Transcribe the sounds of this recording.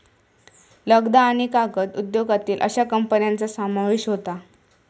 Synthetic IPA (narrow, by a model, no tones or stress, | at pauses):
ləɡd̪aːɽ̃ikaɡət̪ud̪joɡat̪iːlʔə̰ɕakəmpənjant͡sasamaʋiɕɦot̪a